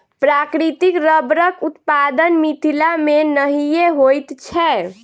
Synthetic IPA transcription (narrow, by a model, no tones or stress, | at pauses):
pɾakɾit̪ikɾəbɾəkut̪pad̪ənmit̪ʰilamenəɦijeɦojt̪t͡ʃʰɛ